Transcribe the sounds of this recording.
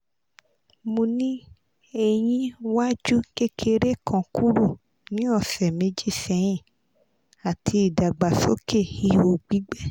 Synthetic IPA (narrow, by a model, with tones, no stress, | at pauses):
mũ˧nĩ˦ | e˨j̃ĩ˧wa˦d͡ʒu˦ke˦kʰe˧ɾe˦kʰɔ̃˨ku˦ɾu˦˨ | nĩ˨˦ɔ˦˨fɛ˨mẽ˨˦d͡ʒi˦˨fɛ˨˦j̃ĩ˦˨ | a˨tʰi˧i˨da˨ɡ͡ba˨so˦ke˦˨hi˧˦o˨ɡ͡bi˨˦ɡ͡bɛ˦